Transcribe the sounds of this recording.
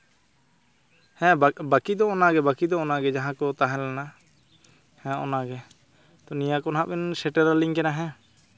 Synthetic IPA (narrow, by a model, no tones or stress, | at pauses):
hɛ̃bakid̪ɔɔnaɡɛbakid̪ɔɔnaɡɛd͡ʒaɦãkɔt̪aɦɛ̃lɛna | hɛ̃ɔ̰naɡɛ | t̪ɔnijãkɔnɦãʔbɛnsɛʈɛɾaliŋkɛnaɦɛ̃